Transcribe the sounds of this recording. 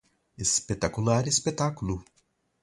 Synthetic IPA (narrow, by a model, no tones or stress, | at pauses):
espet̪akulaɾespet̪akulu